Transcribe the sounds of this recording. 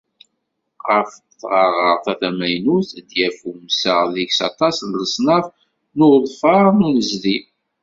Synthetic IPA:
ʁəf | θʁɑʁəʁθæθæmæjnuθd̪jæfumsəʁðiçsɑ̰t̪ˤɑsnləsˤnɑv | nʊɾðˤfɑʁˤnunəzði

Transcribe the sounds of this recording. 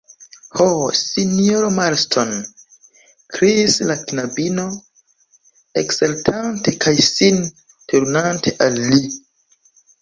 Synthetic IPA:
hosinoɾomaɾstʰon | kɾislaknabino̞ | eksaltʰante̞kʰajsin | tʰuɾnantʰe̞ʔalːi

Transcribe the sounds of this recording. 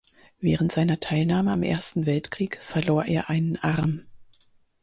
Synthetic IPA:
vɛːʁ̞əntz̥aɪnɐtʰaɪlnaːməamʔḛːɐstn̩vɛltkʁ̥iːkfɛɐloːɐʔeːɐʔaɪnənʔaʁɐm

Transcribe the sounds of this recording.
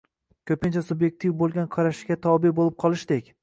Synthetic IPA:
kʲʰɵpɪnt͡ʃʰasubje̞k̚ʲt̪ʰivbolˠɡʲanqʰɑɾaʃɪ̥ɡʲat̪ʰɒbɪbolɪp̚qʰɒlˠɪʃd̪ekʲ

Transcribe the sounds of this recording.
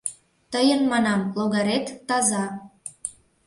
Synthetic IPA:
t̪əjənmɑnɑmloɣɑɾet̪ːɑzɑ

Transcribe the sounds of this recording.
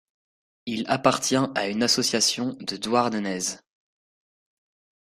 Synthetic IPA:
ilapaʁt̪jɛ̃aynasɔsjasjɔ̃d̪əd̪waʁnənɛz

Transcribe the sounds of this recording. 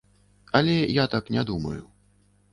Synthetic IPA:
ɐlʲɛjat̪aknʲɛd̪umɐ̰ju

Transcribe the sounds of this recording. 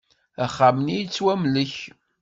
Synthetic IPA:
æχːamnijit͡sːwæmləç

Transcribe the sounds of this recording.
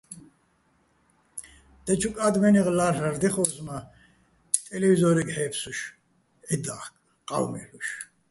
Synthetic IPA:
d̪̥ɛt͡ʃʰukʼad̪mɛniʁlaraɾd̪ɛχɔsma | t̪ʼɛlɛvizɔɾɛɡħɛːpʰsuʃ | ʕid̪aχkʼ | qʼa̰wmɛ̰luʃ

